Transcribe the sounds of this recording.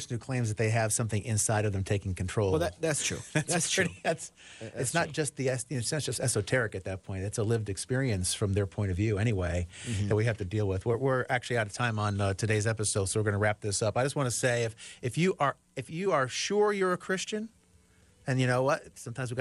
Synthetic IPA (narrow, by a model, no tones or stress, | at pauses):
sn̩ʉkʰl̥ẽɪ̃mzðɨt̪̚ðeɪɨv̥sʌ̃mθɪ̃ŋʔɪ̰̃nsaɪɾʌvðɨ̃mtʰeɪkɪ̃ŋkʰntʰɹ̥oʊlˠðætstʰɹ̥ṵæsʰæts | ɨtsnət̚d̥ʒ̥ʌst̪̚ðiɛssd̥ʒ̥ʌstɛsoʊtʰɛɹɨkɨt̪̚ðɨt̚pʰɔ̃ɪ̃nðætsəlɪvdɨkspɪɹiɨ̃nsfɹʌ̃mðə˞pʰɔ̃ɪ̃ɾ̃ʌvjʉɛɾ̃iweɪðɨt̚wihæftɨdilˠwɪðwɪ˞wɪɹæk̚t͡ʃʉl̩iaʊɾʌv̥tʰãɪ̃mə̃nʌtʰɨdeɪzɛpɨsoʊd̥soʊwɨɹɡʌ̃nəɹæp̚ðɪsʌpaɪd͡ʒʌst̚wɑ̃ñɨseɪɨfɨfjɨʔə˞ | ɨfjɨə˞ʃʊɹjə˞ɨkʰɹ̥ɪst͡ʃɨ̃n | ɨ̃njɨnoʊwʌt̚sʌ̃mtʰãɪ̃mzwiɡ